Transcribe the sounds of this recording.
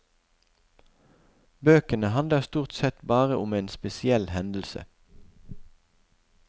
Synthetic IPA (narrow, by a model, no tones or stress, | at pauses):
bøːkənəhɑnd̪ləʁst̪uːʁt̪sɛt̪bɑːʁəʔʊmeːnspɛsɪɛlhɛnd̪l̩sə̰